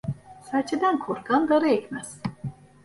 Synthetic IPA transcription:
sat͡ʃʰed̪ænkʰoɾkʰand̪aɾɯɛcʲmæz̥

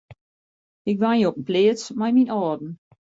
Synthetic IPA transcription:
ɪkʋanjəɔpənpleːət͡smajminɔːdn̩

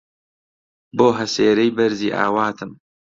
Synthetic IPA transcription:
boːɦɐseːɾɛjbɐɾziːʔa̰ːwaːt̪ʰɨm

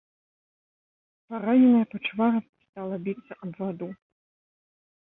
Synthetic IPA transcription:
paɾanʲɛnɐjɐpɐt͡ʂɨvaɾɐ | st̪alˠɐbʲit̪sɐʔɐbvad̪u

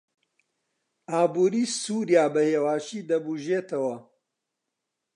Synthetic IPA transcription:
aːbuːɾiːsuːɾjaːbɐheːwaːʃiːd̪ɐbuʒeːt̪ʰɐwɐ

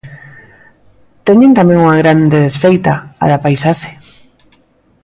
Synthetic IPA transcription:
t̪eɲent̪amẽŋuŋaɣɾand̪eðesfejt̪aa̰ðapajsaʃe̥

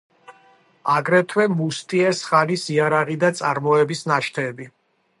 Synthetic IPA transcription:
aɡɾɛt̪ʰwɛmust̪ʼiɛsχanisiaɾaʁid̪at̪sʼaɾmɔɛbisnaʃt̪ʰɛːbi

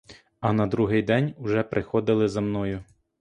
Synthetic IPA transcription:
ɐnɐd̪ɾuɦɪjd̪ɛnʲʊʒɛpɾʔɪxɔd̪ɪlˠɪzɐmnɔjʊ

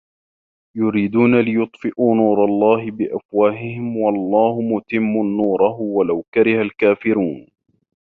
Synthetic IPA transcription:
jʊɾiːd̪uːnalɪjʊt̪ˤfɪʔuːnuːɾˤɑlˤːɑːɦɪbɪʔafwaːhɪhɪmwɑlˤːɑːhʊmʊt̪ɪmːʊnuːɾˤɑɦʊwalawkaɾɪhalkaːfɪɾuːn

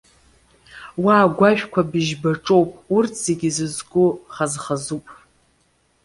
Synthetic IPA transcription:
waːɡʷakʷʰabɨʒbaʈ͡ʂʼowpʼurtʰz̥eɡʲɪzɨzɡʷʼʊχazχazupʼ

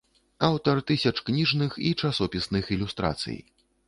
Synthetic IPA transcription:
awt̪ɐrt̪ɨsʲɐt͡ʂknʲiʐnɨxit͡ʂasɔpʲisnɨxilʲust̪ɾa̰t̪sɨ̰j

